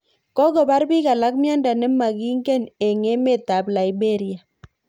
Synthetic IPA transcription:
kɔ˦kɔ˨ba˦rbi˦ka˨la˦kmjɔ˦nda˨nɛ˦ma˨ki˦ŋɡɛ˦˨nɛ˨ŋe˦me˦˨ta˨bla˨jbe˦˨ɾija˨

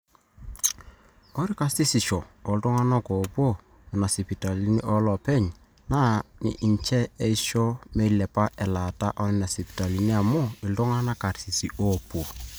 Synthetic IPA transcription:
kɔ˦ɾi˦ka˦si˦si˨ʃɔː˨ltʊ˦ŋa˦na˦ko˨po˦ | ɛ˨na˨si˨pi˨ta˨li˦ni˦ʔɔ˦lɔ˨pɛ˦ɲ | na˦nɪ̰˨ʔi˨ɲt͡ʃɛ˦e˦i˦ʃɔ˦me˦i˦lɛ˨pa˦ʔɛ˨la˨ta˦ʔɔ˦nɪ˦na˨si˨pi̥˨ta˨li˨ni˦a˨mʊ˦ɪ˨ltʊ˦ŋa˦na˦ka˨ɾsi˨si˨ʔo˦po˨

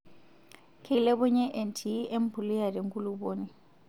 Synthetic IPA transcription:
kʰilɛ˦bʊ˦ɲɛ˦ʔe˨ntʰi˨˦ʔe˦m̩˦pʰʊ˨li˦ja˨di˨ŋkʼu˦lu˦boː˦ni˦˨

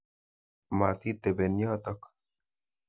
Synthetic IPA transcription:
ma˨t̪i˦t̪e˨be˨njɔ˦t̪ɔ˦k

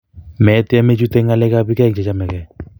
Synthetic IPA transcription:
mɛ˨˦tɛ˦me˦t͡ʃu˦tɛ˦ŋa˦lɛ˦ka˦pi˦kɛ˦˨kt͡ʃɛ˨t͡ʃa˦mɛ˨kɛ˨

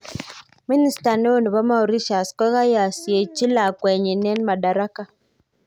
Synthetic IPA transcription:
mi˦ni˦sta˨ne˦wo˦˨nu˨βa˦ma˦u˨ɾi˦ʃa˨skwɛ˦ɣa˦ja˨si˨e˨t͡ʃi˦la˨kwɛ˨ɲe˨nɛ˦nma˨da˨ɾa˦ka˦

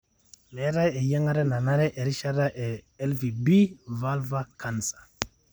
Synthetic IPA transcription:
me˨˦ɾa˦je˨ja˦ŋa˦ɾe˦na˨na˦ɾe˦ʔe˨ɾi˦ʃa˦ɾa˦ʔeː˨˦ | lvi˨bi˦va˦lva˦kʰa˨nsḁ˨

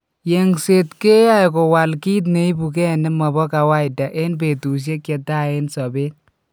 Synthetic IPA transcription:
je˨ŋse˨tke˦ja˦˨ko˨wa˨lki˦t̬ne˨i˦bu˨kɛ˦nɛ˦mɔ˨bɔ˦ka˨wa˦jda˨ʔe˦np̬e˨tu˨s̬je˦kjɛ˨ta˦e˦nsɔ˨be˦t

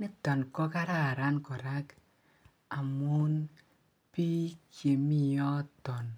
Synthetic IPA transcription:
nɪ˦t̪ɔ˨nkɔ˦ka˦ɾa˦˨ɾa˦nkɔ˨ɾa˦k | a˨mu˦n | pi˦kje˨mi˦jɔ˦t̪ɔ˨n

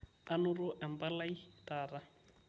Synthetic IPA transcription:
a˦nʊ˦rʊ˦ʔɛ˨m̩˨pa˦la˦i˦taː˨ra˦

